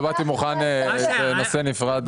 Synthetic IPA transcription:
bat̪imuχanet̪eno̞senifʁad̪

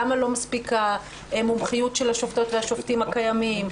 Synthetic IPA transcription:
amalo̞maspika | emumχijutʃelhaʃofto̞t̪veaʃoft̪imakajamim

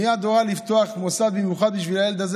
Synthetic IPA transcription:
iad̪oʁalift̪oaχmosadbemjuχad̪̚biʃvilajeld̪az

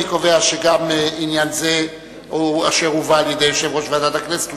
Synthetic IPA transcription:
ikoveaʃeɡaminjanze | oa̰ʃeʁuvaːljed̪ejoʃevʁoʃvead̪at̪aknese̥tu

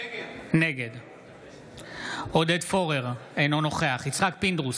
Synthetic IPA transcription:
neɡed̪ | od̪ed̪fo̞ʁeʁejnono̞χeaχit͡sχakpind̪ʁus

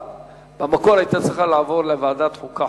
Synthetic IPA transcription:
bamakoʁajt̪at͡sʁiχalaːvo̞ʁlevaːd̪at̪χuka

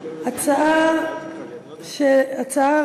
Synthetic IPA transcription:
at͡saa | ʃeat͡saa

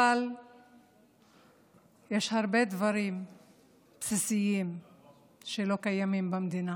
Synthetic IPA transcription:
al | jeʃhaʁbe̞d̪vaɾim | psisijim | ʃelo̞kajamimbamd̪ina

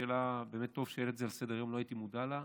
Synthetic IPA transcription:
elabe̞ːmet̪ːo̞v̥ʃejelet̪zealsed̪eʁajomloajit̪imud̪ala

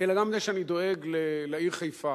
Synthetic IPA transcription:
elaɡamzeʃeanid̪o̞eɡlelaiʁχajfa

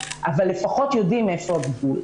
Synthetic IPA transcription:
ʔavalːe̞faχo̞t̪jodime̞foabiɡul

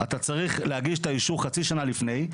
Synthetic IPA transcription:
at̪at͡saʁiχlehaɡiʃt̪aiʃuχat͡siʃanalifne̞j

